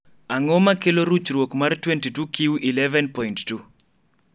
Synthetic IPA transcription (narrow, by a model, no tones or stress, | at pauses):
aŋɔmakeloɾut͡ʃɾwokmartwentitukiwʔilɛvɛnpɔjnttu